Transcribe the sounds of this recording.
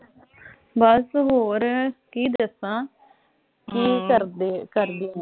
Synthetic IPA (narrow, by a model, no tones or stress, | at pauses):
bəsɦoːɾkiːd̪əsãː | kiːkəkəɾd̪iːɛ̃